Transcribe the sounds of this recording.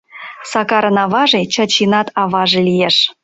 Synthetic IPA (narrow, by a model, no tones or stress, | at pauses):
sɑkɑɾənɑβɑʒet͡ɕɑt͡ɕinɑt̪ɑβɑʒelijeʃ